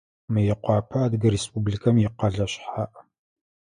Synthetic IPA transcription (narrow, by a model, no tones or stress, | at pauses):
mɨjɛqʷɑːpʰɐːdɡɨɾeːspubɮikʰɐmjɪqɐɮɐɕħaːʔ